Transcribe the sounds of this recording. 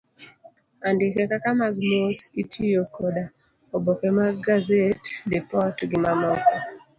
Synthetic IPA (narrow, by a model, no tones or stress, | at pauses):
andɪkɛkakamaɡnositʰijokoda | obokemaɡazetdepɔtɡɪmamɔkɔ